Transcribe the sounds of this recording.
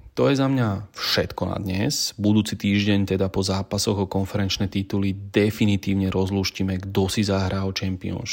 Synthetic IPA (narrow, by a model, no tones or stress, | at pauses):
t̪ɔjɛzamɲafʃɛt̪kɔna̰d̪ɲɛzbud̪uːt͡sit̪iːʒɟɛɲt̪ɛd̪apɔzaːpasɔɣɔkɔnfɛɾɛnt͡ʃnɛːt̪it̪ulid̪ɛfinit̪iːʊɲɛɾɔzluːʃcimɛɡd̪ɔsizaɦɾalt͡ʃɛmpiɔ̰nʃ